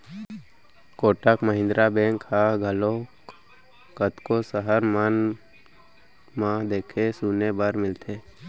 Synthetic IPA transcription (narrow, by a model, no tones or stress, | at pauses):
koːʈəkməɦɪ̃nd̪ɾabɛ̃ːŋkhaɡʱəlõ | kət̪kosəɦəɾman | mãd̪eːkʰesuːnebəɾmɪlt̪ʰeː